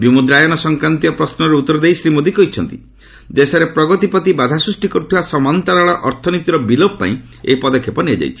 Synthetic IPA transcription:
bimud̪ɾajɔnɔsɔŋkɾant̪iɔpɾɔsnɔɾeut̪ːɔɾɔd̪eisɾimod̪ikɔɦit͡ʃʰɔnt̪i | d̪esɔɾepɾɔɡɔt̪ipɔt̪ibad̪ʱasɾusʈikɔɾut̪ʰibasɔmant̪aɾaɭɔʔɔɾt̪ʰɔnit̪iɾɔbilop̚pa̰ĩ | ḛipɔd̪ɔkʰːepɔnead͡ʒa̰jt͡ʃʰi̥

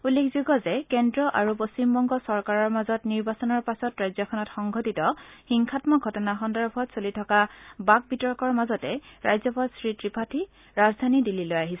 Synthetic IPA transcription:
ulːekʰzuɡɔzɛkɛndɹɔʔaɹuposimbɔŋɡɔsɔɹkaɹɔɹmazɔtniɹbasɔnɔɹpasɔtɹajzɔkʰɔnɔtxɔŋɡʱɔtitɔxiŋkʰatmɔɡʱɔtɔnaxɔndɔɹbʱɔtsolitʰɔkabak̚bitɔɹkɔɹmazɔtɛɹajzɔpadsɹitɹipʰatʰi | ɹazdʱanidilːilojaɦisɛ

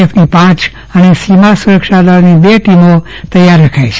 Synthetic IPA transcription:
ifnipãt͡ʃ | ənesimasuɾəkʃad̪aɾnibeʈimo | t̪əjaɾːəkʰajt͡ʃʰe

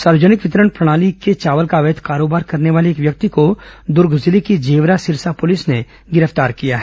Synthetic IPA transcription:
saːɾd͡ʒənɪkʋɪt̪ɾəɽ̃pɾɐɽ̃aːliket͡ʃaːʋəlkaʋət̪ʰkaːɾoːbaːɾkɐɾneʋaːleːkʋjɐk̚t̪ikod̪ʊɾɡzɪlikid͡ʒeːʋɾasɪɾsapʊlɪsne | ɡɪɾəft̪aːɾkijaɦɛː

